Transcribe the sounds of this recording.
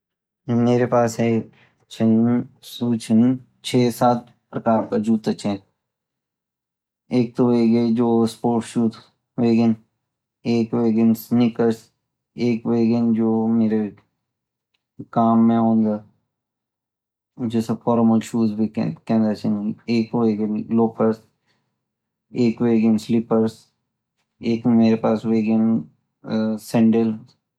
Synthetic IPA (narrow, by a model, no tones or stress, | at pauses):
meːɾepaːsɦɛ | t͡ʃʰɐnsuːt͡ʃʰən | t͡ʃʰeːsaːt̪̚ | pɾɐkaːɾkad͡ʒuːt̪ɐt͡ʃʰe | eːk̚t̪oʋeɡɐid͡ʒoːspoːɾʈʃuːt̪ | ʋeːɡən | eːkʋeːɡənsnɪkəɾs | eːkʋeːɡənd͡ʒoːmeːɾe | kaːmːẽõːnd̪a | d͡ʒoːsɐbfɔːɾməlʃuːzbʱikkɛ̃ːnd̪at͡ʃʰeneːkweːɡənloːkəɾs | eːkweːɡɪnslɪpəɾs | eːkmeːɾepaːsweːɡən | sɛ̃ɳɖəl